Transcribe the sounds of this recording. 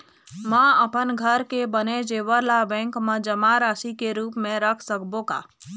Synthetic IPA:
mə̃əpənɡʱəɾkebəned͡ʒeːʋəɾlabɛ̃ːŋkmə̃d͡ʒəmaɾaːʃikeɾuːpmẽɾəkʰsəkbõɡa̰ː

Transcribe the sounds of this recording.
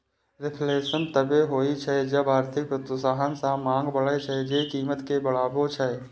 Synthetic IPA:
ɾɪpʰleːʃənt̪əbeɦoːit͡ʃʰɛd͡ʒəbaːɾt̪ʰɪk̚pɾət̪saːɦənsãmãːŋɡbəɭət͡ʃʰɛd͡ʒekiːmət̪kebəɭaːbot͡ʃʰɛ

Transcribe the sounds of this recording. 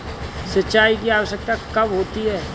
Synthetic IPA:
səʃaːikiaːʋəʃək̚t̪akɐbɦoːt̪iɦɛː

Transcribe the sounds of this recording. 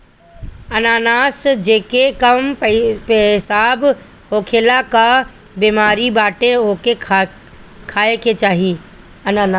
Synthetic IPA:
ɐnaːnaːsd͡ʑeːkekɐmeɦɪsaːb | ɦoːkʰeːlaka | biːmaːɾibaːʈeoke | kʰaːekʰet͡ɕaːɦi | ɐnaːnaː

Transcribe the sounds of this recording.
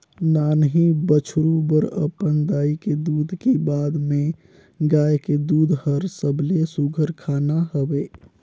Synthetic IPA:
nanɦibət͡ʃʰɾubəɾə̰pənd̪aiked̪ud̪ʱkebad̪me | ɡajked̪ud̪ʱhəɾsəbʱlesuɡʱəɾkʰanaɦəbe

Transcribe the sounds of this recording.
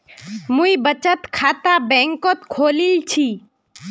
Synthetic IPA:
mũibət͡ʃət̪kʰaːt̪abɛ̃ːŋkot̪kʰoːlilt͡ʃʰi

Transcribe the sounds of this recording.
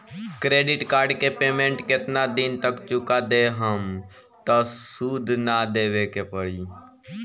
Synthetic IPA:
kɾeːɖɪʈkaːɾɖkepeːmẽɳʈkɪt̪nad̪ɪnt̪əkt͡ʃʊkad̪eːɦəm | t̪osuːd̪ʱnad̪eːʋekepəɽiː

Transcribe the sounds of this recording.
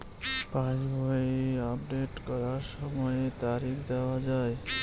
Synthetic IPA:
pãd͡ʒbʱəiapɖeʈkəɾaɾsəməjt̪aɾikʰd̪aʋad͡ʒae

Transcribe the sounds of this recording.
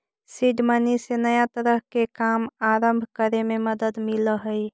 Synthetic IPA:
siɖmənisenəjat̪əɾəɦkekamaɾəmbʱkəɾememəd̪əd̪miləɦəj

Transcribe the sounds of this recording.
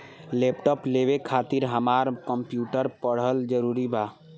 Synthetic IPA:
lepʈɔpleβekʰat̪iɾɦəmaɾkəmpjuʈəɾpəɽ̤ɦəld͡ʒəɾuɾiba

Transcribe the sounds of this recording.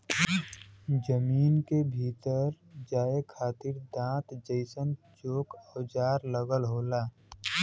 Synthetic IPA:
d͡ʒəmiːnkebʱiːt̪əɾ | d͡ʒaːekʰaːt̪iɾd̪ãːt̪d͡ʒəɪsən | t͡ʃoːkəwd͡ʒaːɾləɡəlɦoːlaː

